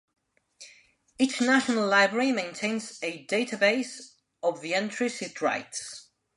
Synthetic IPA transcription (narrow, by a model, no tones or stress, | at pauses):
it͡ʃnaʃənəlˠlaɪbɹəɹimẽɪ̃ntʰẽɪ̃nzɨdeɪtʰəbeɪs | ɔvðiɛ̃ntʰɹ̥ɪsɪtɹa̰ɪts